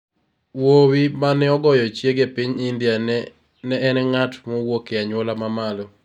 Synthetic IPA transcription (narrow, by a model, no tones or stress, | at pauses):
wowimanɛɔɡɔjɔt͡ʃjeɡepiɲɪnd̪ja | nɛːnɛŋatmɔwokeaɲwɔlamamalo